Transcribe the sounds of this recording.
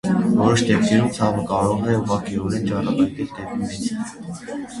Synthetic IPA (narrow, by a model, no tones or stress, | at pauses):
vɔɾɔʃd̪ɛp̚k̪ɛɾumt͡sʰɑvəkɑɾɔʁɛuʁɑkʰiɔɾɛnt͡ʃɑrɑpɑjt̪ɛld̪ɛp̚imɛt͡sʰ